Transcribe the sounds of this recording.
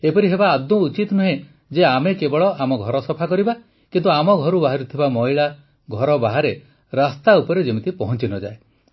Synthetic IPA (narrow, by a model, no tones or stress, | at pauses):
epɔɾiɦebaːd̪ũːt͡ʃit̪nuɦẽ | d͡ʒeamekebɔɭɔʔamɔɡʱɔɾɔsɔpʰakɔɾiba | kint̪uamɔɡʱɔɾubaɦaɾut̪ʰibamɔɦiɭa | ɡʱɔɾɔbaɦaɾe | ɾast̪aupɔɾed͡ʒemit̪ipɔɦɔnt͡ʃinɔd͡ʒa̰e